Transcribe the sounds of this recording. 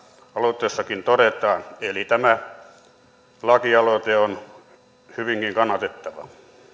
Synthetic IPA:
ɑlot̪ːˑeːˑsːɑkint̪oɾet̪ɑːnelit̪æmæ | lɑkiɑlot̪eon | hyʋiŋkiŋkɑnːɑt̪et̪ːɑʋɑ̰

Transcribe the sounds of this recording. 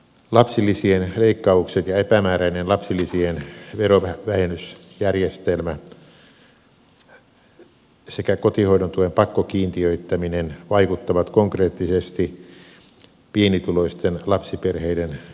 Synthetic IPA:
lɑpsilːisienleikːɑukset̪jɑepæmæːræinenlɑpsilːisienʋeroʋæʋæhenːˑysjærjest̪elmæ | sekækot̪ihoidont̪uʋempɑkːokiːnt̪iøit̪ːæminenʋɑikut̪ːɑʋɑt̪koŋkreːt̪ːisest̪i | pienit̪uloist̪enlɑpsiperheiden

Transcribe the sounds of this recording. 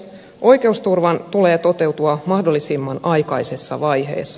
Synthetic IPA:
ʔo̞jk̟e̞ust̪urʋɑnt̪ule̞ːt̪o̞t̪e̞wt̪uɑmɑhdo̞lːisimːɑnɑjkɑjse̞sːɑ̰ʋɑjɦe̞̰ːsːɑ

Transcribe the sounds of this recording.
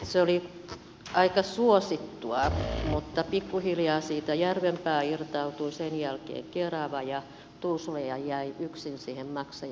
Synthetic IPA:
seoli | ɑikɑsuosit̪ːuɑmut̪ːɑpikːuhiljɑːsiːt̪æjærʋempæːirt̪ɑut̪uisenjælkḛːŋkerɑʋɑjɑ | t̪uːsulejɑjjæiyksinsiːhemmɑksɑ

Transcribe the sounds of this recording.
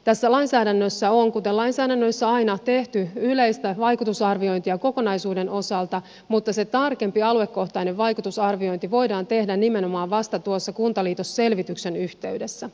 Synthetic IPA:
t̪æsːælɑjnsæːdænːøsːæoŋkut̪elɑinsæːdænːøsːæɑjnɑt̪e̞ht̪yylejst̪æʋɑjkut̪usɑrʋio̞jnt̪iɑko̞ko̞nɑjsuːde̞no̞sɑlt̪ɑ | mut̪ːɑse̞t̪ɑrke̞mpiɑlue̞kːo̞ht̪ɑineʋʋɑjkut̪usɑrʋio̞jnt̪iʋo̞jdɑːnt̪e̞hdænnime̞no̞mɑːʋʋɑst̪ɑt̪uosːɑkunt̪ɑliːt̪osːe̞lʋit̪ykse̞nyht̪e̞yɥdesːæ

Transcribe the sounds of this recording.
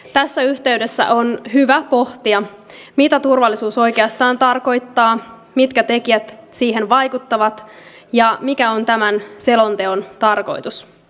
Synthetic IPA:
t̪æsːæyht̪e̞yde̞sːæ̰ʔo̞nɦyʋæpo̞ht̪iɑ | mit̪æt̪urʋɑlːisuːso̞jke̞ɑst̪ɑːnt̪ɑrko̞jt̪ːɑː | mit̪kæt̪e̞kiæt̪siːɦe̞nʋɑjkut̪ːɑʋɑt̪ | jɑmikæo̞nt̪æmænse̞lo̞nt̪e̞o̞nt̪ɑrko̞̰jt̪us

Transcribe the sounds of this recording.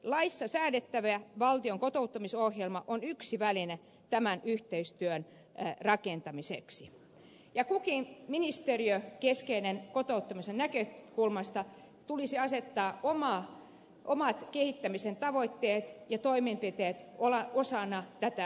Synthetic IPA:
lɑisːɑsæːnet̪ːæʋeæʋɑlt̪ioŋkot̪out̪ːɑmisohjelmɑʔonyksiʋæline | t̪æmænyht̪eist̪yøn | rɑkent̪ɑmisḛksi | jɑkukiminist̪eriøkeskeinenkot̪out̪ːɑmisennækøkulmɑst̪ɑ | t̪ulisiɑset̪ːɑːomɑː | ʔomɑt̪kehit̪ːæmisent̪ɑʋoit̪ːeːt̪jɑt̪oimempit̪eːt̪olɑosɑnɑt̪æt̪æ

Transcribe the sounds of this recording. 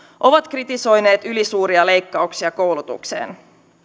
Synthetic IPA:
ʔo̞ʋɑt̪krit̪iso̞jne̞ːt̪ylisuːɾiɑle̞jkːɑuksiɑko̞wlut̪ṵkse̞̰ːn

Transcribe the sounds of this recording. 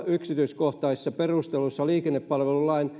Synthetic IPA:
yksit̪yiskoht̪ɑisːɑperust̪elusːɑliːkenːeppɑlʋelulɑin

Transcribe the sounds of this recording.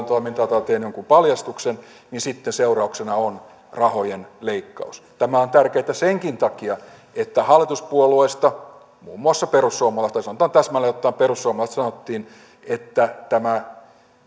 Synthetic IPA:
nt̪oimint̪ɑt̪ɑt̪eːnoŋkumpɑljɑst̪uksen | ninsit̪ːenseurɑuksenɑon | rɑhojenleikːɑ̰ust̪æmæont̪ærkeit̪æseŋkint̪ɑkiɑ | et̪ːæhɑlːˑit̪uspuolueist̪ɑ | mṵːmːuɑsːɑperusːuomːɑlɑst̪ɑsɑnŏt̪ɑːnt̪æsmælːæjot̪ːɑːmperusːuomɑlɑst̪sɑnot̪ːiːn | et̪ːæt̪æmæ

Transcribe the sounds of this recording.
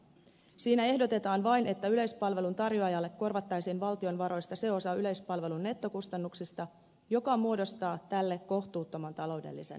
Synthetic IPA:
siːnæe̞hdo̞t̪e̞t̪ɑːnʋɑjne̞t̪ːæyle̞jspɑlʋe̞lunt̪ɑrjoɑjɑlːe̞kːo̞rʋɑt̪ːɑjsiːnʋɑlt̪io̞nʋɑɾo̞jst̪ɑse̞o̞sɑyle̞jspɑlʋe̞lunːe̞t̪ːo̞kust̪ɑnːuksist̪ɑ | jo̞kɑmuo̞do̞st̪ɑːt̪ælːe̞kːo̞ht̪uːt̪ːo̞mɑnt̪ɑlo̞wde̞̰lːisḛn

